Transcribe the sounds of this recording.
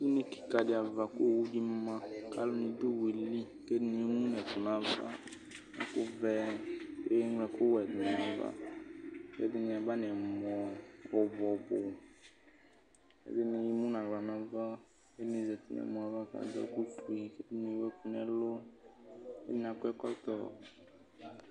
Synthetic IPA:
i˦ne˦ki̥˨ka˨dɪ˨a˨va˨kʊ˦˨wu˦di˦m˦mã˦ka˦lʊ˦nĩ˨du˦wi˨li˦ | ke˦dɪ˦ni˨˦i˦mũ˦n˨ɛ˨t̪ʊ˨nã˦va̰˦ | na̰˨kʊ˦vɛ˦ke˦ŋ˦ɛ˨kʊ˦wɛ˨d̪ʊ˨n˨ã˦va̰˦ | ke˦dɪ˦nĩ˨a˨ba˦nĩ˨ɛ˨mɔ˨wɔ˨bɔ˨bʊ˨ | kḛ˦dɪ˦nĩ˧˨ji˦mũ˦nã˨ɡ͡bla˨nã˦va˦ | ke˦nĩ˨zɛ˨t̪i˨n̰˨ɛ̰˨mũ˨a˨va˦ka̰˨dɔ̰˦ku˦tu˨˦i˨ke˦dɪ˦nĩ˨˦wɛ˦ku˦n˦ɛ˨lʊ˦ | kḛ˦di˦n˨a˨kʊ˦ɛ˦kɔ˦t̪ɔ˨

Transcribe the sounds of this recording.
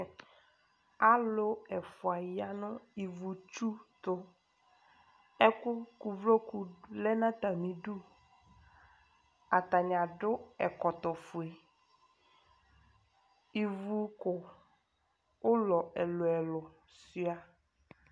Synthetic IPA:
a˦lʊ˦ɛ˨fʊ˨a˨ja˦nʊ̃˦i˨vu˨t͡ʃu˦t̪ʊ˨ | ɛ˦kʊ˦ku˨vlo˦ku˨lɛ˦nã˦t̪a˨mĩ˨ɖu˦ | a˨t̪a˨ɲ˨a˨ɖʊ˦ɛ˨kɔ˨t̪ɔ˨fʊ˨e˨ | i˨vu˨kʊ˨ | ʊ˦lɔ˨ɛ˨lʊ˨ɛ˨lʊ˨ | si˦a˨

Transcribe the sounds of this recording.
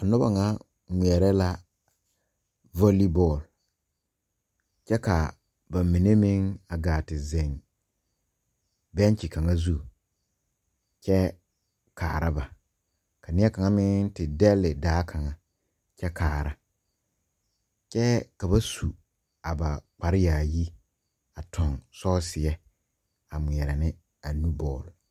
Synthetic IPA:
a˨nʊ˦ba̰˨ŋa˦ | ŋi˨ɛ˨ɾɛ˦la˦ | vo˦li˦bɔ˦˨l | t͡ʃɛ˦ka˨ | ba˨mi˨ne˦mɪ̃˦ŋa˨ɡaː˨tɪ˨zɛ˨n | bɛ˦n˦t͡ʃi˨ka˨ŋa˦zu˦˨ | t͡ʃɛ˦ | kʰa̰ː˨ɾa˦ba˨ | ka˨nɪ˦ɛ˦ka˨ŋa˦mɪ˦ŋtɪ˨dɛ˦lɪ˨daː˨˦kʰa˨ŋa˨ | t͡ʃɛ˦kʰaː˨ɾa˦ | t͡ʃɛ˦ka˨ba˦su˨ | a˨ba˨k͡pa˨ɾɪ˦jaː˨ji˦ | a˨tʰɔ˨ŋsɔː˦sɪ˨ɛ˦ | a˨mʊ˨ɛ˨ɾɪ˨nɪ˦ | a˨nu˦bɔː˦˨lʊ˨

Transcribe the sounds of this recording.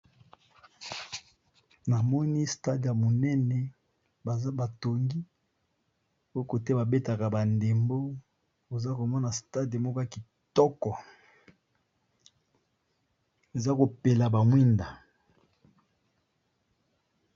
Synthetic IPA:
na˨mɔ˦ni˦sta˦dja˨mo˨nɛ˦nɛ˦ | ba˨za˦ba˨to˨ŋɡi˦ | o˦ko˨te˦ba˨be˦ta˨ka˨ba˨nde˨mbo˦ | o˨za˦ko˨mɔ˦na˨sta˦de˨mo˦ka˦ki˨ | tɔ˦kɔ˨ | e˨za˦ko˨pe˨la˨ba˨mwi˦nda˨

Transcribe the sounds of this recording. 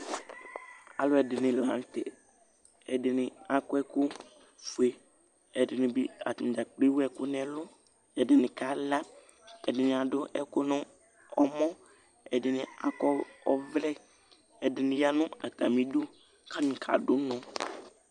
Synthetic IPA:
a˨lʊ˦ɛ˨dɪ˨nɪ̃˨la˨˦n˦tɛ̰˨ | ɛ˨dɪ˨nɪ˨a˨kʊ˦ɛ˦kʊ˦ | fu˨e˨ | ɛ˨dɪ˨nɪ̃˨bi˦a̰˨tɪ˨d͡ʒa˨k͡pi˦wɛ˦kʊ˦nɛ˨lʊ˦ | ɛ˨dɪ˨nɪ̃˨ka˦la˦ | ɛ˨dɪ˨nɪ̃˨a˨dʊ˦ʔɛ˦kʊ˦nʊ̃˦ | ɔ˦mɔ˦ | ɛ˨dɪ˨nɪ˨a˨kɔ˦ɔ˦vlɛ˦ | ɛ˨dɪ˨nɪ̃˨ja˦nʊ̃˦a̰˨t̪a̰˨mĩ˨˦dʊ˦ | ka˦nʊ̃˨kʰa̰˨dʊ˨˦nɔ̃˨

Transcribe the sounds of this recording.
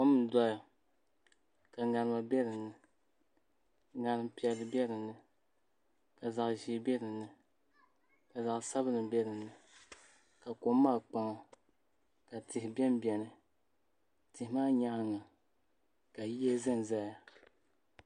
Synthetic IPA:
ko˦m̩˦˨dɔ˦ja˨ | ka˨ŋa˨nɨ˨ma˨bɛ˦ɾɨ˨nːɨ˨ | ŋa˨nɨ˨m˦pi˨ɛ˨lːɨ˨bɛ˦ɾɨ˨nːɨ˨ | ka˨za˨ʔʒi˨˦bɛ˦ɾɨ˨nːɨ˨ | ka˨za˨ʔsa˦bɨ˦nɨ˨bɛ˦ɾɨ˨nːɨ˨ | ka˨ko˨mː˦aː˦˨k͡pa˦ŋ˦ | ka˨tɪ˨hɪ˨bɛ˦m˦bjɛ˨nɨ˨ | tɪ˨hɪ˦maː˦ɲa˦ʔa˦ŋa˨ | ka˨ji˦ɛ˦zɨ˦n˨za˦ja˨

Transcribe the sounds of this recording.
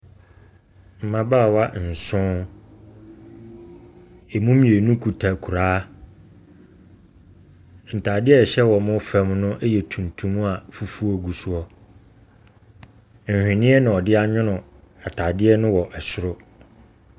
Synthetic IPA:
m̩˨mã˦baː˦˨wa˦n̩˨sʊ̃˦ | e˨mũ˦mĩ˨e˨nũ˦kʰu˨tʰa˨kʰu˨ɾaː˦ | n̩˨tʰa˨dɪ˦ɛ˦˨ɕɛ˦wɔ˨mʊ̃˦fã˦mnʊ̃˦ʔɛ˦jɛ˨tʰũ˨ntʰũ˦m˦a˨fu˦fu˦ɔ˦ɡu˨su˨ɔ˦ | n̩˨hᶣɪ̃˨nɪ̃˦ɛ˦nʊ̃˨ɔ˨dɪ˦a˦ɲᶣʊ̃˦nʊ̃˨ | a˨tʰa˨dɪ˦ɛ˦nʊ̃˦wɔ˨ʔɛ˨sʊ˦ɾʊ˦

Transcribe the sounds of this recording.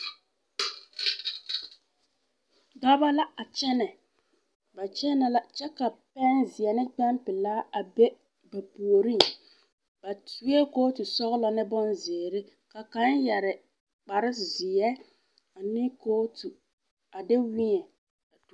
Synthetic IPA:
ɡa˦ba˦la˦a˨t͡ʃɛ˦nɛ˨ | ba˨t͡ʃɛ˦na˨la˦t͡ʃɛ˦ka˨pɛ˦nzɪ˨ɛ˨nɪ˦k͡pɛ˦npɪ˨laː˦a˨be˦ | ba˨pu˨o˨ɾi˦˨ | ba˨tu˦e˦koː˦tu˨sɔ˦ɣɪ˦la˨nɪ˦bɔ˦nzɪ˨ɾɪ˦ | ka˨ka˨˦njɛ˨ɾɪ˨ | k͡pa˨ɾɪ˦˨zɪ˨jɛ˦ | a˨nɪ˦koː˦tu˨ | a˨dɪ˦wɪ˦ɲɛ˨ | a˨tu˨˦

